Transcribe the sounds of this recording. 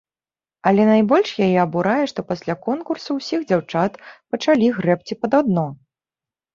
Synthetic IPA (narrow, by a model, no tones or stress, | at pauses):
ɐlʲɛnajbɔlʲʂjajɛɐbuɾajɛʂt̪ɔpasʲlʲakɔnkursɐwsʲiɣd͡zʲawt͡ʂat̪pɐt͡ʂalʲiɣɾɛp̚t͡sʲipɐd̪ad̪nɔ